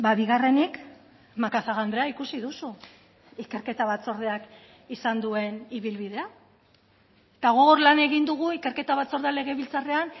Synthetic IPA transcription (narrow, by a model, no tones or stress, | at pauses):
baβiɣ̞are̞nik | makaθaɣand̪ɾeaikusiðusu | ike̞ɾke̞t̪aβat͡so̞ɾð̞eak | isand̪ue̞niβilβið̞e̞a | et̪aɣoɣoɾlane̞ɣind̪uɣ̞uike̞ɾke̞t̪aβat͡so̞ɾðeale̞ɣe̞βilt͡sare̞an